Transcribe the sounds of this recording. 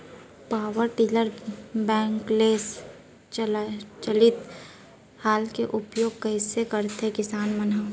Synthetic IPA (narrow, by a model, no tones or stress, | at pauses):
paːʋəɾʈiːləɾbɛ̃ːŋkleːs | t͡ʃəlɪt̪ | haːlkeʔʊpjoːɡ̚kɐɪsekəɾt̪ɦẽkɪsaːnməna